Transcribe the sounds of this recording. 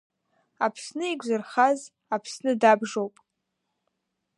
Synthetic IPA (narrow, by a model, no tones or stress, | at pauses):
apʰsnɨiɡʷʼzɨrχaz | apʰsnɨdabʐowpʼ